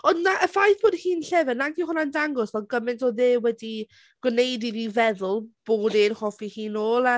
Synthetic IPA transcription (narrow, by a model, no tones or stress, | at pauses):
ɔnnaʔəfajθb̥oːdhiːnɬɛvənaɡiwhʊnandaŋɡɔsvɛɡəmɪntʰɔðɪːwɛdi | ɡ̥wnejdiðivɛðʊlˠb̥oːdinhɔfihiːnoːlˠa